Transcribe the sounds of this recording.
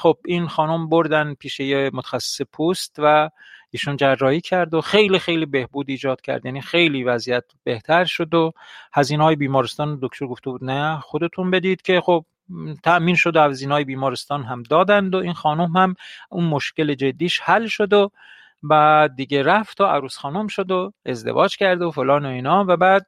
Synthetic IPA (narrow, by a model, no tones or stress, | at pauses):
xob̚inxɒːnomboɾd̪ænd̪̚pʰiːʃejemot̪ʰæ̥xæsːe̥sepʰust̪væ | iːʃund͡ʒærːɒːhiːcʰæɾd̪oxe̞jlixejliːbe̞hbuːd̪iːd͡ʒɒːd̪̥̚cʲʰæ̰ɾd̪jæːniːxejliːvæzijæt̪be̞ht̪ʰæɾʃod̪ohæziːnɒːjebiːmɒːɾest̪ɒːnod̪okʰt̪ʰoɾɡo̞ft̪ebuːd̪næxod̪e̞t̪ʰunbe̞d̪id̪̥cʰe̞xob̥̚ | t̪ʰæʔmiːnʃod̪oæziːnɒːjebiːmɒːɾest̪ɒːnɦæmd̪ɒːd̪ænd̪oʔiːnxɒːnumhæmunmoʃce̞le̞d͡ʒe̞d̪ːiːʃhælʃod̪o | bæd̪ːiːɟeɾæft̪ʰoæ̰ɾuːsxɒːnomʃod̪oe̞zd̪ḛvɒ̰ːd͡ʒcʰæɾd̪ofolɒːnoiːnɒːvæbæːd̪̚